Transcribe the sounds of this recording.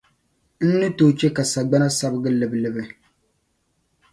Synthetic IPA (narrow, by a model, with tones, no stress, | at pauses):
n̩˦nɨ˦to˨t͡ʃɛ˦ka˨sa˨ɡ͡ba˦na˦sa˦bɨ˦ɡɨ˦lɨ˨blɨ˦bɨ˦